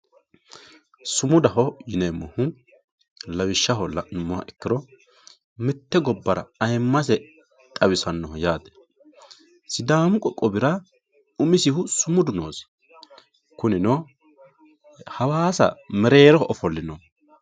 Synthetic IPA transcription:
sʊmʊd̪ɐɦɔjɪnemːɔhʊ | lɐwɪʃːɐɦɔlɐ̰ʊmːɔhɐ̰ʔɛkːɪɾɔ | mɪt̪ːɛɡɔbːɐɾɐ̰ɐjmːɐs̬ɛ | t̪ʼɐwɪsɐnːɔhɔjaːd̪ɛ̥ | sɪd̪aːmʊkʼɔkʼːɔbɪɾɐ | ʊmɪsɪhʊsʊmʊd̪ʊnoːs | kʊnɪnɔ | hɐwaːsɐ̰mɛɾe̞ːɾɔhɔʔɔfɔlːɪnɔ

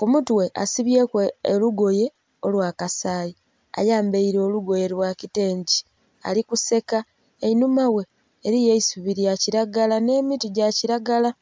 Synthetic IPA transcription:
kumutuwe̞ʔa̰siβje̞keluɡo̞je̞ | olwaːkasaːji | a̰jaːmbeiɾo̞ːluɡo̞je̞lwakite̞ːɲɟi | a̰likuse̞ka | einumawe̞ː | ɾijeisuβiɾjaciɾaɡalane̞ːmituɟaciɾaɡala

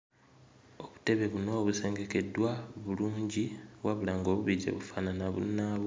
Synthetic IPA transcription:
o̞βu̥te̞βe̞βuno̞ːβuse̞ːŋɡeke̞dwaβuluːɲɟiβwaβulaːŋɡoβuβiɟḛβufananaβṵnaβ

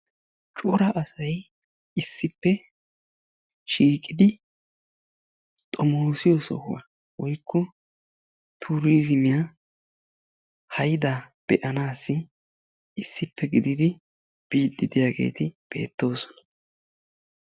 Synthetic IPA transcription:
t͡ʃʼʊɾɐʔɐsɐj | ɪsːɪpːɛ | ʃiːkʼːɪd̪ɪ | t̪ʼɔmoːsɪjɔsɔ̰hʊwɐ̰ | wɔjkʰːɔ | t̪ʰuːɾiːzɪmɪja | hɐjd̪ab̥ɛʔɐnaːsːɪ | ɪsːɪpːɛɡɪd̪ɪd̪ɪ | b̥iːt̪ʼːɪd̪ɪjaːɡe̞̰ːt̪ɪb̥e̞̰ːt̪ːo̞ːsɔ̥nɐ̥

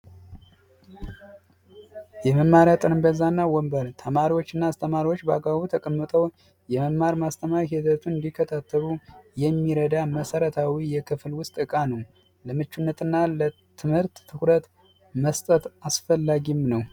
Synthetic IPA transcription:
jɛməmːaɾjat̪ʼɨɾmbəzanːawɔmbəɾt̪ʰəmaɾiwo̞t͡ʃːɨnːast̪ʰəmaɾiwot͡ʃːba̰ɡaβut̪ʰəkʼəmːɨt̪ʼəw | jɛməmːaɾmast̪ʰəmaɾiɦizət̪ʰunɨnd̪ikʰːət̪ʰat̪ʰːəβujɛmːiɾəd̪aməsəɾət̪ʰawijɛkʰɨflwʊst̪ʼɨkʼanəw | ləmɨt͡ʃːunːət̪ʰʼɨnːalə | t̪ʰɨmhɨɾt̪ːʰɨkɾət̪ | məst̪ʼət̪asfəlːaɡimnəw

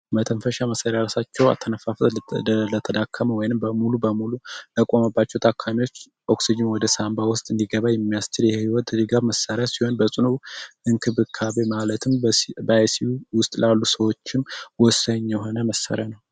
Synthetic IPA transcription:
mət̪ʰənfəʃaməsəɾaɾasat͡ʃːɛwa̰t̪ʰːənəfaflət̪ʰəd̪akʰːəməwɔjnɨmbəmulubəmulut̪əkʼo̞məbːat͡ʃːɛwt̪ʰakʰːamiwo̞t͡ʃː | ʔo̞ksid͡ʒɪmwɔd̪əsambawʊst̪ʼɨnd̪iɡəβajɛmːijast̪ʰɨljɛhhiwɔt̪lɨɡaβməsːəɾjasiho̞nbəsʼɨnuɨŋkʰɨβɨkʰaβe̞malət̪ʰɨmbəsiwʊst̪ʼlalːusəwo̞t͡ʃːɪnwɔsːəɲːɛɦo̞nəməsə̰ɾjanəw

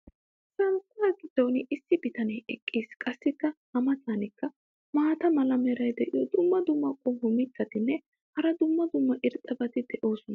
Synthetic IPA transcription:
sɐntːaɡɪd̪ːɔwnɪʔɪsːɪbɪt̪ɐnɛjɛkʼːiːskʼɐsːɪkːɐhɐmɐt̪aːnɪkːɐ | maːt̪ɐmɐlɐmɛɾɐjd̪ɛʔɪ̰jɔd̪ʊmːɐd̪ʊmːɐkʼːɔhʊmɪt̪ːɐt̪ɪnːɛ | hɐɾɐd̪ʊmːɐd̪ʊmːɐʔɪɾt̪ʼːɐbɐt̪ɪd̪ɛʔo̞ːsɔnɐ

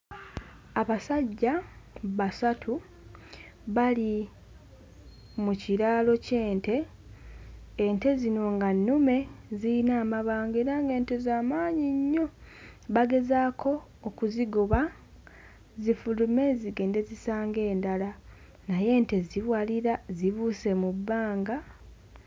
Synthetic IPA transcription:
aβasaɟːaβasatʰu | βali | muciɾaːlo̞ce̞ːnte̞ | nte̞zino̞ŋɡanːume̞ziinaːmaβaːŋɡe̞ːɾaːŋɡe̞ːnte̞zaːmaːɲiɲːo̞βaɡe̞zaːkʰo̞ː | kuziɡoβa | zifulume̞ziɡe̞ːnde̞zisaːŋɡe̞ːndala | naje̞ːnte̞ziβwaliɾaziβuse̞mubːaːŋɡa

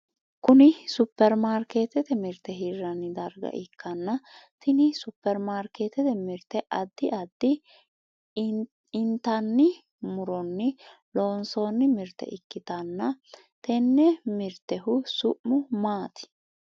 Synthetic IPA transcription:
kʊnɪsʊpːɛɾmaːɾkeːt̪ɛt̪ɛmɪɾt̪ːɛɦirːɐnːɪd̪ɐɾɡɐ̰ʔɪkʰːɐnːɐt̪ɪnɪsʊpːɛɾmaːɾkeːt̪ɛt̪ɛmɪɾt̪ːɛʔɐd̪ːɪʔɐd̪ːɪ | ɪnt̪ɐnːɪ | mʊɾɔnːɪ | loːnso̞ːnːɪmɪɾt̪ːɛ̰ʔɪkːɪt̪ɐnːɐ | t̪ɛnːɛmɪɾt̪ɛɦʊsʊʔmʊmaːt̪ɪ̥

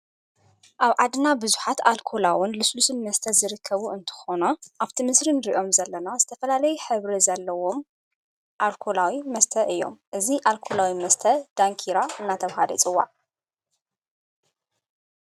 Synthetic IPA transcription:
ʔaβʕad̪ɨnabɨzuħat̪alkʰolawʊnlɨslusɨnmɐst̪ʰɐzɨɾɨkʰːɐβuɨnt̪ʰɨ̥xonaʔaβt̪ʰimɨsɾinɨɾiʔo̞mzɐlːɐnazɨt̪ʰɐfɐlalɐjuħɨβɾizɐlːɐwo̞m | ʔalkʰolawimɐst̪ʰɐʔɨjːo̞̰mʔɨziʔalkʰolawimɐst̪ʰɐd̪̥aŋkʰiɾaɨnːat̪ʰɐβhalɐ̰t͡sʼɨwːa̰ʕ

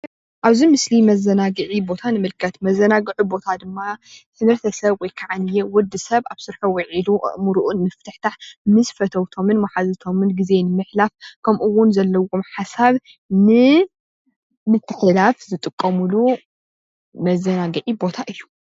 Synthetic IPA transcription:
ʔaβzimɨslimɐzːɐnaɡɨʕibo̞t̪ʰanɨmɨlkʰɐt̪mɐzːɐnaɡɨʕubo̞t̪ʰad̪ɨmːat̪ʰɨmhɨɾt̪ʰɐsɐβwɔjkʰaʕanɨjewʊd̪ːɨsɐβʔaβsɨɾħowɐʕilṵmuɾuʔunmɨft̪ʰɨħt̪ʰaħmɨsfɐt̪ʰɐwt̪ʰo̞mɨnmaħazɨt̪ʰo̞mɨnɡize̞nɨmɨħlafkʰɐmʔuwːʊnzɐlːɐwomħasaβ | nɨ | mɨt̪ʰːɨħlafzɨt̪ʼɨkʼːɐmulu | mɐzːɐnaɡɨʕibo̞t̪ʰaʔɨjːu

